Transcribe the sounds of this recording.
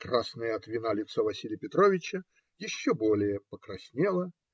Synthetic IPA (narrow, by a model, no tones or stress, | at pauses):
kɾasnəjəɐt̪vʲɪnalʲɪt̪sovɐsʲilʲɪjəpʲɪt̪ɾovʲɪt͡ɕə | jɪɕːobo̞lʲɪjəpəkɾɐsʲnʲelˠə